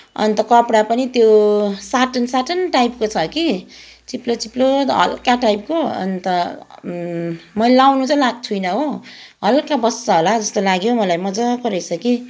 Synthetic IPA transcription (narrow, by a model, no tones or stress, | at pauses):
ʌ̰nt̪ʌkʌpɽapʌnit̪josaʈʌnsaʈʌnʈajp̚kot͡sʰʌki | t͡siplot͡siplot̪ɦʌ̰lkaʈajp̚koʌ̰nt̪ʌ | mʌlawnut͡sʌlaɡ̚t͡sʰujnʌɦoɦʌlkabʌsːaɦolad͡zʌst̪olaɡjomʌlajmʌd͡zʌkʌɾʌjt͡sʰʌki